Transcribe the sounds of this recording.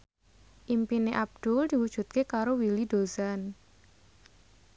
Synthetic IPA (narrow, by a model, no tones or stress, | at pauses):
ʔimpineʔab̚d̪̥uld̪̥i̤wud̥ʒ̥ṳt̪̚kekaɾowilid̪̥ozan